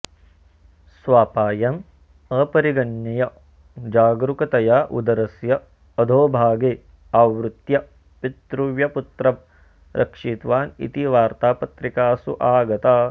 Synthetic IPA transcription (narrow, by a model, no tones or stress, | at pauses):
sʋaːpaːjɐm | ɐpɐɾiɡɐnjɐjɐ | d͡ʒaːɡɾukɐt̪ɐjaːʔṵd̪ɐɾɐsjɐː | d̪ʱoːbʱaːɡeː | aːʋɾut̪jɐ | pit̪ɾuʋjɐput̪ɾɐm | ɾʔɐ̰kʂiːt̪ʋaːnḭt̪iʋaːɾt̪aːpɐt̪ɾikaːsṵʔaːɡɐt̪aː